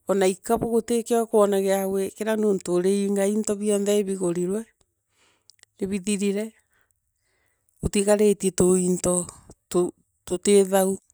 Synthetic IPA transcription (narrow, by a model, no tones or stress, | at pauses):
ɔnaikaβɔɣotekewakoɔnaɣeawekeɾanoːntoɾeiŋɡaintɔβjɔnðɛeβiɣoɾiɾwɛ | neβiðiɾiɾɛ | otiɣaɾetietointɔto | toteðau